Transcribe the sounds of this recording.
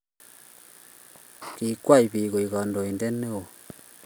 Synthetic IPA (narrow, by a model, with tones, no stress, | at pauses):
ki˨kwa˦i˨βi˨ɣo˨i˨ɣɔ˨ndo˨e˨nde˦ne˦o˨